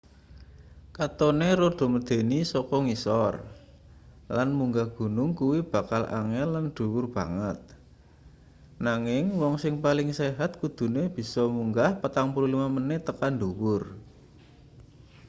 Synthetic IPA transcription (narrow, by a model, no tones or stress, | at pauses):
kat̪ɔneɾoɖ̪̥o̤məd̪̥e̤nisɔkɔŋisɔr | lanmuŋɡahɡ̥ṳnʊŋkuwib̥a̤kalʔa̰ŋɛlːanɖ̪̥ṳwʊrb̥a̤ŋət̪̚ | naŋɪŋwɔŋsɪŋpalɪŋseɦat̪̚kud̪̥ṳneb̥i̤sɔmuŋɡahpət̪aŋpuɾulimamənɪt̪əkanduwʊr